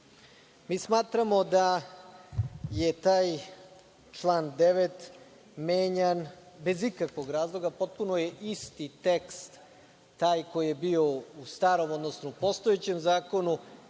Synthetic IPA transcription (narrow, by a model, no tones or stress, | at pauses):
miːsmaːt̪ɾamo̞d̪a | je̞t̪aːj | t͡ʃlˠaːnd̪e̞ʋet̪ | meːɲan | be̞zikakʋo̞ɡɾaːzlˠo̞ɡapo̞t̪̚punojeʔist̪it̪ekst̪ː | aːjko̞jijebio̞ust̪aːɾo̞mo̞d̪nosnoupo̞st̪o̞jet͡ɕe̞mzaːko̞nu